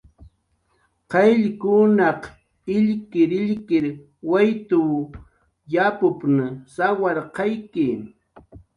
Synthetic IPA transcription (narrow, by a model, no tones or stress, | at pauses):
qɑjʎkʊnɑq | ɪʎkɪɾɪʎkɪɾ | wajt̪ʊ | japʊpnasawɑɾqɑjkɪ